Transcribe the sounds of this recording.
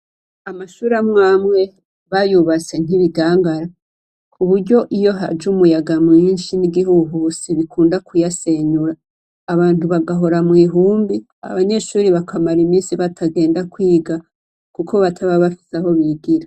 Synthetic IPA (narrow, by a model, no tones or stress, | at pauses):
amaʃuːɾamŋaːmŋe̞ | βajuβat͡se̞n̥iβiɡaːŋɡaɾa | kʰuβuɾɟo̞ʔijo̞ɦa̰d͡ʒumujaɡamŋiːnʃiniɡihuɦusiβikʰuːndakʰujase̞ɲuɾaː | βaːntuβaɡaɦo̞ɾamŋiːɦuːmbi | a̰βaɲe̞ʃuːɾiβakʰamaɾimiːnsiβatʰaɡe̞ːndakwiːɡa | kukʰo̞βatʰaβaβafi̥saho̞βiɡiɾa